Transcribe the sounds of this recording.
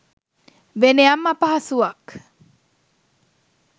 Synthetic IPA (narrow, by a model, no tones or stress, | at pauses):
ʋeneamːɐpɐɦasuʋɐk